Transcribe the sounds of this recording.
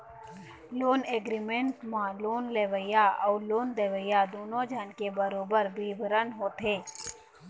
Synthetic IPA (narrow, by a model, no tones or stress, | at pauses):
loːneːɡɾimẽɳʈmãloːnleːʋəjaɔːloːnd̪eːʋəjad̪oːnõd͡ʒʱaːnkebəɾoːbəɾbiːbʱəɾənɦoːt̪ɦeː